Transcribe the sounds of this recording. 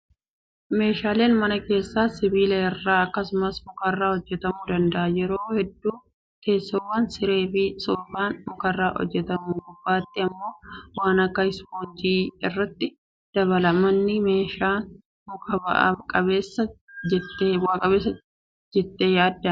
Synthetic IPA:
me̞ːʃaːle̞ːnmɐnɐke̞ːsːaːsɪbiːleɪrːaːɐkːɐsʊmɐsmʊkɐrːaːhɔd͡ʒːɛt̪ɐmuːd̪ɐnd̪ɐʔɐd͡ʒɛɾoːhɛd̪ːuː | ke̞ːsːoːwːɐnsɪɾe̞ːfɪsoːbaːnmʊkɐrːaːʔɔ̰d͡ʒːɛt̪ɐmuɡʊbːaːt̪ːɪɐmːo̞ːwaːnɐkːɐɪshoːnd͡ʒiːɪrːɐt̪ːɪ | d̪̥ɐβɐlɐmɐnːɪme̞ːʃaːn | mʊkɐbɐ̰ʔkʼɐβeːsːɐd͡ʒɛt̪ːeːwaːkʼɐβeːsːɐ | d͡ʒɛt̪ːeːjaːd̪ːɐ

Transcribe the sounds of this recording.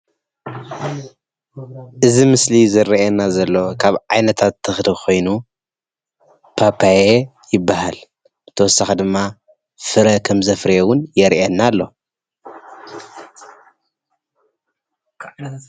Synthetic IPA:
ʔɨzimɨslizɨɾiʔenazɐlːo̞kʰaβʕajnɐt̪ʰat̪ʰːɨxd̪xo̞jnu | pʰapʰaje | jɪbːahal | t̪ʰɐwɔsːaxid̪ɨmːa | fɨɾɐkʰɐmzɐfɾiewʊnjɛɾʔenːalːo̞̰

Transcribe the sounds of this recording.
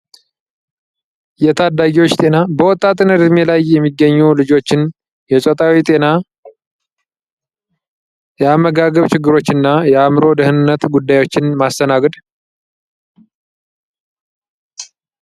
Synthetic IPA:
jɛt̪ʰad̪ːaɡiwo̞t͡ʃːt̪ʼe̞nabəwɔt̪ʼːat̪ʼɨnɨd̪ɨmelajːɛmːiɡːəɲːulɨd͡ʒo̞t͡ʃːɪn | jɛt͡ʃʼɔt̪ʼawit̪ʼe̞na | jɛamːəɡaɡəβt͡ʃɪɡːɨɾo̞t͡ʃːɨnːajɛamɾo̞d̪əhɨnɨnːət̪ɡud̪ːajwo̞t͡ʃːɪnmast̪ʰənaɡəd̪

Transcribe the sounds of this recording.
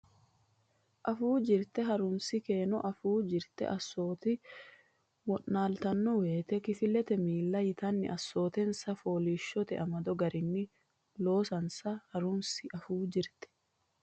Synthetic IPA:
ʔɐfuːd͡ʒɪɾt̪ɛɦɐɾʊnsɪke̞ːnɔʔɐfuːd͡ʒɪɾt̪ɛ̰ʔɐsːo̞ːt̪ɪ | mɔʔːaːlt̪ɐnːɔwe̞ːt̪ɛkɪfɪlːɛt̪ɛmiːlːɐjɪt̪ɐnːɪ̰ʔɐsːo̞ːt̪ɛnsɐfo̞ːliːʃːɔt̪ɛʔɐmɐd̪ɔɡɐɾʔɪnːɪ | lo̞ːsɐnsɐhɐɾʊnsɪʔɐfuːd͡ʒɪɾt̪ɛ̥

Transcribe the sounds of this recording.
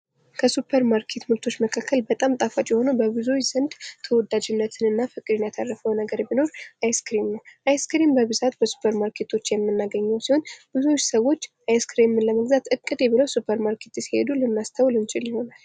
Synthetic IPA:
kʰəsupʰːəɾmaɾkʰe̞t̪mult̪ʰo̞t͡ʃːməkʰakʰːəlbət̪ʼamt̪ʼafat͡ʃʼiho̞nəbəbɨzot͡ʃz̥ənd̪t̪ʰəwɔd̪ad͡ʒɨnːət̪ʰɨnɨnːafɨkʼːɨd̪ɨnjat̪ʰarːəfəwnəɡəɾbino̞ɾʔajskɾimnəwʔajskɾimbəβɨzat̪bəsu̥pʰːəɾmaɾkʰe̞t̪ʰo̞t͡ʃːjɛmːɨnːaɡəɲːɛwsiho̞nb̥ɨzot͡ʃːsəwo̞t͡ʃːʔajskɾimɨləməɡzat̪ɨkʼːɨd̪eβɨləwsupʰːəɾmaɾkʰe̞t̪jsihe̞̰d̪ulɨnːast̪ʰəwlɨnt͡ʃʼɪljɪho̞nal

